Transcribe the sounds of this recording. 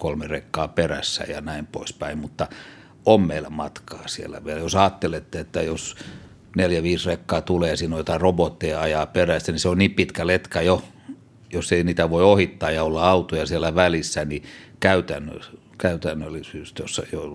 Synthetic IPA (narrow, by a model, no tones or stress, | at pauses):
kolmerekːɑːperæ̰sːæ̰jɑ̰næimpo̰ispæimmut̪ːɑ | ommeilːæmɑt̪kɑːsielːæ̰ʋieljosɑːt̪ːelet̪ːeet̪ːæjos | neljæʋiːsrekːɑːt̪uleːsiːnojot̪ɑrobot̪ːeːɑjɑːperæsːæniseonniːmpit̪kælet̪kæjo | josːeiniːt̪æʋoiohit̪ːɑːjjɑolːɑɑut̪ojɑsielːæʋælisːænikæyt̪æ̰nːø̰ | kæyt̪ænːølːisyːst̪josːɑjo